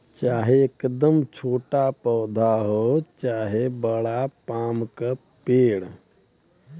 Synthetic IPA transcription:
t͡ʃaːɦeekd̪əmt͡ʃʰoːʈapɔːd̪ʱaɦot͡ʃaːɦebəɽapaːmka | peːɽ

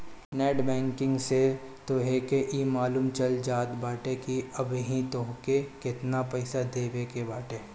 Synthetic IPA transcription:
nɛːɖbɛ̃ːŋkɪ̃ŋɡse | t̪oɦekeʔimaːluːmt͡ʃɐld͡ʒaːt̪baːʈekiɐbɦĩt̪oɦkekɪt̪napɛɪsad̪eːʋekebaːʈeː

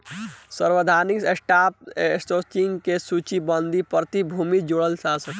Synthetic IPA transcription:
səɾwəd̪ʱaniksesʈapsʈot͡ʃiŋɡkesut͡ʃibənd̪ʱipɾət̪ibʱumid͡ʒoɽəlsasək

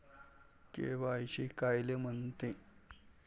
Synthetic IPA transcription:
kḛʋaːjɕikajlem̤ənt̪e

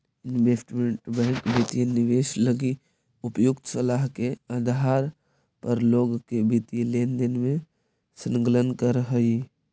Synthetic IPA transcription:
ɪnʋeːsʈmẽɳʈbɛ̃ːŋkbit̪ijenɪʋeːʃləɡi | ʊpjʊkt̪səlaɦkeəd̪ɦaːɾ | pəɾloːɡkebit̪ieleːnd̪enmẽ | sə̃nɡlənkəɾɦəi

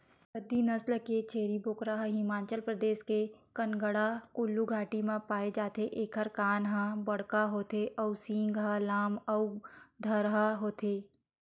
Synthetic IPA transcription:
bəd̪ːinɐslket͡ʃʰeːɾiboːkɾaɦɦɪmaːt͡ʃəlpɾəd̪eːʃkekənɡəɽakʊlːuɡʱaːʈimãpaːed͡ʒaːt̪eʔeːkʰəɾkaːnɦabɐɽ̤kaɦoːt̪eʔɐusĩːŋɡɦalaːmɐud̪ʱɐɾɦaɦoːt̪ʰeː

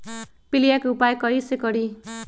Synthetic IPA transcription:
pilijakupajkʌisekʌɾi

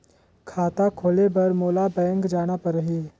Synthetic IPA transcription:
kʰaːt̪akʰoːlebɐɾmoːlabɛ̃ːŋkd͡ʒaːñapɐɾːəɦi

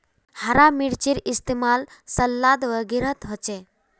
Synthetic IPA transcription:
haɾamiɽt͡ɕiɾist̪emalsəlːad̪ʋəɡiɾət̪ɦɔt͡ʃe

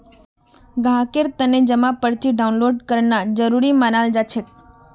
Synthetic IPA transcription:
ɡʱãkeɾt̪əned͡ʒəmapəɾt̪ʰiɖaunloɖkəɾnad͡ʒəɾuɾimanald͡ʒat͡ʃʰet̪̚

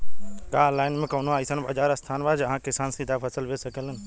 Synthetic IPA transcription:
kaːlaːɪnmẽkoːnoaːisənba̰ːd͡ʒaːɾəst̪ʰaːnbaːd͡ʒɐɦãːkɪsaːnsid̪ʱapʰɐsəlʋesəkələn

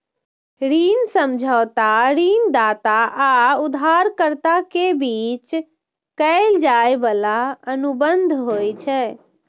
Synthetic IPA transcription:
ɾinsəmd͡ʒʱəʊt̪aɾind̪at̪aʔaud̪ʱaɾkəɾt̪akebit͡ʃ | kəɪld͡ʒaebəlaənubənd̪ʱɦojt͡ʃʰɛ

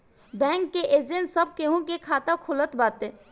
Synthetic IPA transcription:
bɛ̃ːŋkːeʔeːd͡ʒẽnsəb̚keɦõk̬ekʰaːt̪akʰʊlət̪baːt̪eː

